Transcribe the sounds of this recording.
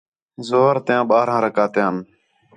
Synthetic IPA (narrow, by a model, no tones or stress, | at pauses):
zoːɾt̪ɪjãːɓaːɾãːɾəkaːt̪eːən